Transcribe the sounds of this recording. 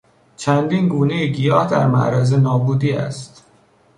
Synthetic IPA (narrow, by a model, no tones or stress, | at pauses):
t͡ʃʰænd̪iːnɡuːnejeɟijɒːhd̪æɾmæ̰ʔɾæzenɒːbuːd̪iːæ̰st̪